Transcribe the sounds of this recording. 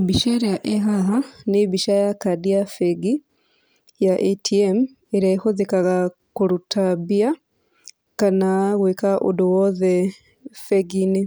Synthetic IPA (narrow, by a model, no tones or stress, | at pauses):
biʃeɾejaʔeɦaɦaneβiʃajakadiafeɡi | jaʔetʰiem | eɾaixozekaɣa | kuɾutʰabia | kanaɣwekaʔṵduwoðe | feɡini